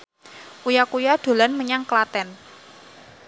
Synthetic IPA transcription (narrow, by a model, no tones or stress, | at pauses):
ʔujakujad̪̥o̤lanməɲaŋklat̪ɛn